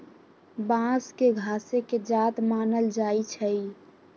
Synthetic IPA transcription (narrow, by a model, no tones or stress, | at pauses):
bãskeɡʱaːseked͡ʒaːt̪maːnəld͡ʒaːit͡ʃʰəi